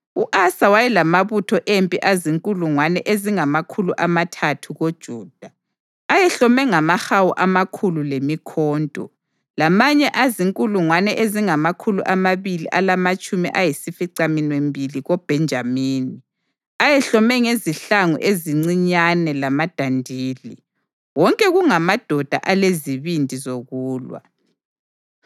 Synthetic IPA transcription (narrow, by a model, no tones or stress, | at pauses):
uʔasawajɛlamaβutʰɔʔempʼiʔaziŋkʼuluŋwanɛʔeziŋamakʰuluʔamatʰatʰuɣod̥ʒ̥ʱuːd̥ʱaː | jɛɬɔmɛŋamaxawuʔamakʰululemikʰɔːntʼɔ | lamaɲɛʔaziŋkʼuluŋwanɛʔeziŋamakʰuluʔamaβilḭʔalamat͡ʃʼumḭʔajisifiǀaminwembʱiliɣɔb̥ʱɛnd͡ʒʱamiːni | ajɛɬɔmɛŋeziɬaŋṵʔeziŋ͡ǀiɲanɛlamad̥ʱandʱiːli | wɔŋkʼɛɣuŋamad̥ʱɔd̥ʱa̰ʔaleziβindʱizoɣuːlwa̰